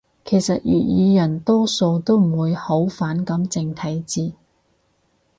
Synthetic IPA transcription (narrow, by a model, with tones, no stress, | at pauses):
kʰe˨˩jsɐ˨t̚jy̰ː˨t̚jiː˨˧jɐ˨˩nt̪ɔː˥so˧wt̪o˥wm̩˨˩wuː˨˧jho˨˥wfaː˨˥nkɐ˨˥mt͡sɪ˧ŋt̪ʰɐ˨˥jt͡siː˧